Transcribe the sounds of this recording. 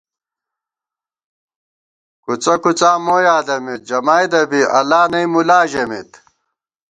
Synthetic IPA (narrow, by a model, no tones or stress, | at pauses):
kut͡sɐkut͡saːmoːjaːd̪ɐmit̪̚d͡ʑɐmaːjd̪ɐbiʔɐlaːnɐimulaːʑɐmit̪